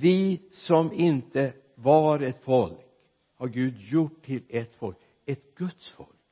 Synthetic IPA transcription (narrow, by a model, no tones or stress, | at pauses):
vɪsɔmɪnt̪ə | vɑɾɛt̪fɔlk | hɑɾɡʉːd̪jʊʈʰːɪlɛt̪fɔlk | ɛt̪ɡ̥ɵt̪sfɔ̰lk